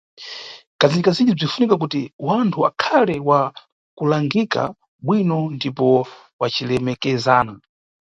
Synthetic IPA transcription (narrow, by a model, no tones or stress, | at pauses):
kazinikazind͡ʒib͡ʐin̩funikak̬utiwantʰua̰kʰalɛwa | kulaŋɡika̰ | ɓwinɔndipɔ | wat͡ʃʰilɛmɛkɛzaːna